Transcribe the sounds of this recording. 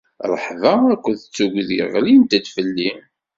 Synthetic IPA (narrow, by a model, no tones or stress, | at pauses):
ɾˤə̰ħðˤɑækʷːəðət͡sːuɡʷðiəʁlint̪æd̪fəlːi